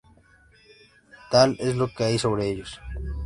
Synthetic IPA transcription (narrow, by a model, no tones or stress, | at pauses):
t̪aleslokeajsoβɾeeʎos